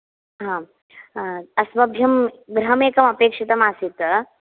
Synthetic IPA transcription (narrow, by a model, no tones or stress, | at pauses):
ɦã | ɐsmɐbʱjɐmɡɾɐmeːkɐmɐpeːkʂit̪ɐmasit̪